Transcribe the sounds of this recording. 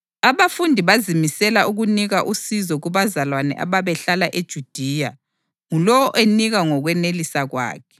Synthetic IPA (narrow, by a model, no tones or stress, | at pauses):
aβafundʱiβazimisɛlaʔuɣuniɣaʔusizɔɣuβazalwanɛ̰ʔa̰βaβɛɬalaʔed̥ʒ̥ʱud̥ʱiːja | ŋulɔwɔʔeniɣaŋɔɣwɛnelisaɣwa̰ːkʰɛ̥